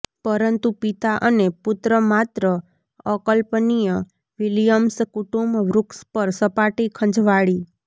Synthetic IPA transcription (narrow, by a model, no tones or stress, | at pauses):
pəɾənt̪upit̪aʔənepʊt̪ɾəmat̪ɾə | əkəlpnijə | ʋilijəmskuʈumbʋɾukspəɾsəpaʈikʰə̃ɲd͡ʒʋaɭi